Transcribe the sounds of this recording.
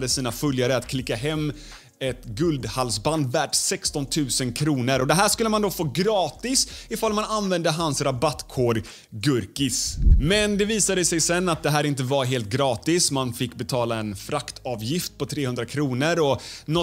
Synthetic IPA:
d̪əsiːnafœljaɾəat̪kʰlɪkːaɦɛmː | ɛt̪ɡɵld̪halsband̪væːʈsɛkst̪ɔnt̪ʰʉ̟ːsənkʰɾuːnəɾɔd̪ɛɦæːʂkɵlːəmand̪ofoːɡɾɑːt̪ɪsɪfalmananvɛnd̪əɦansɾabat̪kʰoːɖ | ɡɵɾkɪsmɛnd̪ɛviːsad̪əsɛjsɛnːat̪̚d̪ɛɦæːɾɪnt̪əvaɾɦeːlt̪̚ɡɾɑːt̪ɪsmanfɪkːbɛt̪ʰɑːlaɛnfɾakt̪ʰɑːvjɪft̪̚pʰɔt̪ʰɾeːhɵnd̪ɾakʰɾuːnəɾɔnɔ

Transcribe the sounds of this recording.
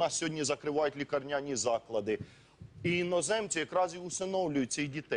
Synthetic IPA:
nɑsʲsʲɦɔdʲnʲizɐkɾɪʋɑjʊtʲlʲikɐrnʲanʲizɑklˠɐd̪ɪ | inɔzɛmt͡sʲijɐkɾɑziʊsɪnɔwlʲʊjʊt̚ʲt͡sʲijdʲit̪ɛ

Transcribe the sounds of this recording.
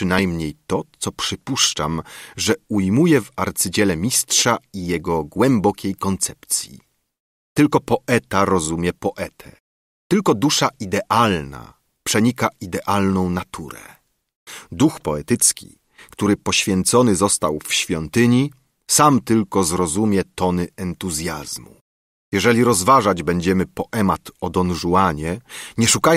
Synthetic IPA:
ʂɘnajmɲejt̪ɔt̪sɔpʂɘpuʂt͡ʂa̰mʐɛujmujɛvaɾt̪sɘd͡ʑɛlɛmʲistʂaijɛɡɔɡwɛmbɔkʲejkɔnt̪sɛpt̪sʲjḭ | t̪ɘlkɔpɔʔɛt̪aɾɔzumʲjɛpɔʔɛt̪ʰɛ̰ | t̪ɘlkɔd̪uʂaʔid̪ɛʔalna̰ | pʂɛɲikaid̪ɛʔalnɔ̃w̃nat̪ʰṵɾɛ̰ | d̪uxpɔɛt̪ɘt̪skʲḭ | kt̪uɾɘpɔɕfʲjɛnt̪sɔnɘzɔst̪awfɕfʲjɔnt̪ɘɲi | samt̪ɘlkɔzɾɔzumʲjɛt̪ɔnɘɛnt̪uzʲjazmu | jɛʐɛlʲiɾɔzvaʐad͡ʑbɛɲd͡ʑɛmɘpɔʔɛmat̪ɔd̪ɔnʐuwaɲɛɲɛʂukaj

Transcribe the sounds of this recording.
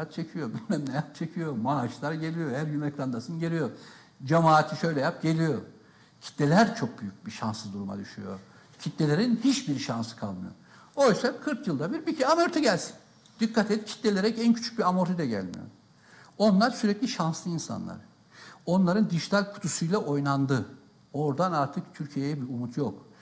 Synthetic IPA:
at̪̚t͡ʃʰe̞cʰijobymæmnʲɛjat̪̚t͡ʃʰe̞cʰijo̞maːʃlˠaɾɟe̞lʲijohæɾjymɛklˠand̪asɯnɟeɾʲijo̞ | d͡ʒamaːt̪ʰiʃø̞jlʲɛjap̚ɟe̞lʲijo̞ | cʰi̥t̪ːelʲæɾt͡ʃʰo̞k̚byjyc̚biʃa̰nsɯzd̪uɾuma̰d̪yʃy̰jo̞̰ | cʰit̪ːe̞lʲe̞ɾinhit͡ʃbiɾʃansɯ̥kʰalˠmɯ̰jo̰ | ojysakʰɯɾkjɯlˠd̪abiɾbicʰiamoɾt̪ʰuɟælʲsi̥n | d̪̥ikːat̪ʰɛt̪cʰi̥t̪lːelʲeɾɛcæncʰy̥t͡ʃʰy̥c̚biamoɾt̪ʰid̪ɛɟæ̰lʲmḭjo̰ | o̞nlˠaɾsyɾɛclʲiʃanslˠɯinsa̰nlˠa̰ɾ̥ | o̞nlˠaɾɯnd̪iʒit̪ʰalʲkʰu̥t̪ʰusujlˠaʔo̞jnˠand̪ɯ | o̞ɾd̪anaɾt̪ʰɯk̚t̪ʰyɾcʰijejɛbiumut̪ʰjok

